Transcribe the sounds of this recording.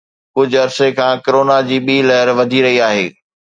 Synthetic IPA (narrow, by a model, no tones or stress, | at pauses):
kʊd͡ʑʱʊɐɾsekʰãːkɐɾoːnad͡ʑiːɓiːlɐɦəɾʋɐd̪ʱiɾɐɦiaːɦḛː